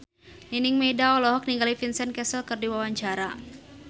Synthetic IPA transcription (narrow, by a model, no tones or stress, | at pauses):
ninɪŋmedaɔlɔɦɔk̚niŋɡalifinsɛnkɛsəlkɨrdiwawaɲd͡ʒaɾa